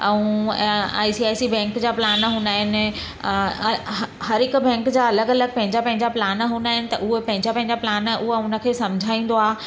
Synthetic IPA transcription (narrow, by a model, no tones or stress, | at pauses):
ɛ̃ũ | a̰ːisiaːjsibɛ̃ːŋkd͡ʑaːplaːnɦũːnd̪aːɦɪnɪ̆ | hɐɾɪkbɛ̃ːŋkd͡ʑaːɐləɡɐləɡ̚pɐ̃ɦɪ̃ɲd͡ʑapɐ̃ɦɪ̃ɲd͡ʑaplaːnɦũːnd̪aːɦɪnɪ̆t̪ɐʔʊɦepɐ̃ɦɪ̃ɲd͡ʑapɐ̃ɦɪ̃ɲd͡ʑaplaːnʔʊɦaʊnə̆kʰeːsɐ̃md͡ʑʱaːĩːnd̪oaː